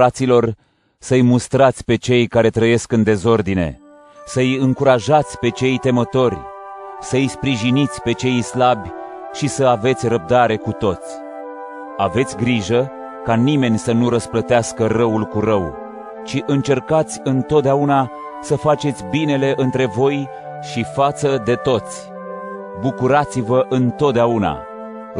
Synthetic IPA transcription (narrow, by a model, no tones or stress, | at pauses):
at̪silo̞r | səjmust̪ɾat̪sʲpe̞t͡ʃe̞jkaɾe̞t̪ɾəje̞skɨnd̪e̞zo̞rd̪ine̞̰ | səjɨŋkuɾaʒat̪sʲpe̞t͡ʃe̞jt̪e̞mət̪o̞rʲsəɨjspɾiʒinit̪sʲpe̞t͡ʃe̞jslabʲ | ʃisəave̞t̪sʲrəb̚d̪aɾe̞kut̪o̞t̪sʲ | ave̞t̪sʲɡɾiʒə | kanime̞nʲsənuɾəsplət̪easkərəulkuɾəw | t͡ʃiʔɨnt͡ʃe̞rkat̪sʲɨnt̪ot̪̚d̪eauna | səfat͡ʃe̞t̪sʲbine̞le̞ʔɨnt̪ɾe̞vo̞j | ʃifat̪səd̪e̞t̪o̞t̪sʲ | bukuɾat̪sivəʔɨnt̪o̞t̪̚d̪eauna̰